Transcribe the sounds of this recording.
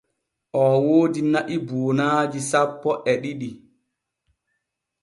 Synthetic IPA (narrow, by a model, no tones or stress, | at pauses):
ʔɔːwoːdinaʔiboːnaːd͡ʒisapːɔʔɛɗiɗi